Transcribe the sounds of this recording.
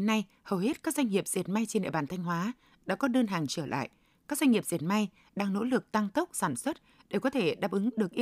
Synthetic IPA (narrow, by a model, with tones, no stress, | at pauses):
e˨˦nːa˧j | həː˨˩whe˦˥t̚kaː˦˥k̚zwa˧ŋ̟ŋi˨˩əp̚z̥ḭ˨˩ə˩t̚ma˧jt͡ɕe˧nɗḛ˧˨ɓaː˧˩nt̪ʰa˧jŋ̟ɦwaː˨˦ | ɗa̰ː˧˥kɔ˨˦ɗəː˧nɦaː˨˩ŋt͡ɕəː˧˩lʔa̰ː˧˨j | kaː˦˥kza˧ŋŋi˨˩əz̥i˨˩ət̚ma˧j | ɗaː˧ŋno̰˧˥lɨ˨˩k̚t̪a˧ŋt̪ə˦˥wk͡p̚saː˧˩nswə˦˥t̚ | ɗe˧˩kɔ˨˦t̪ʰe˧˩ɗaː˨˩p̚ʔɨ˨˦ŋɗɨ˨˩ək̚ʔ